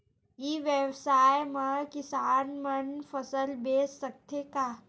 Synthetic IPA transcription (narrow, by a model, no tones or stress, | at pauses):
iːʋjəʋsaːjmɐkɪsaːnmɐnfəsəlbeːsːək̚t̪ʰeka